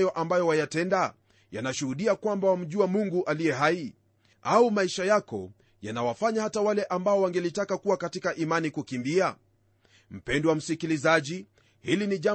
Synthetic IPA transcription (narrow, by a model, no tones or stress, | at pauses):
jɔʔambajɔwajatɛnda | janaʃuhuɗiakwambawam̩ʄuamuŋɡuʔalijɛɦai | aumaiʃajakɔ̰ | janawafaɲahatawalɛʔambaɔwaŋɡɛlitakakuwakatikaʔimanikukimbia | m̩pɛndiwam̩sikilizaʄi | hiliniʄa